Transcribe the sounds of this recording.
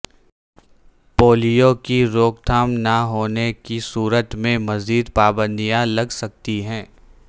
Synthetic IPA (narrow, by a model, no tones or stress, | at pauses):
poːlijokiɾoːkt̪ʰaːmnɐɦoːnekisuːɾət̪mẽmɐziːd̪paːbə̃nd̪ijãlɐɡsɐk̚t̪iɦɛ̃ː